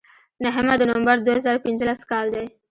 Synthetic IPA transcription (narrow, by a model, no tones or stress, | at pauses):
naɦəmad̪ənʊambaɾd̪oazɑɾopɪnzəlaskɑld̪aj